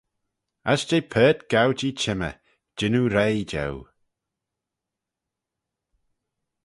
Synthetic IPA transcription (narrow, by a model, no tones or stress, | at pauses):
asd͡ʒejpʰɛːtɡ̥awd͡ʒit͡ʃʰɪmə̰ | d͡ʒɪnuɾejd͡ʒɛ̰w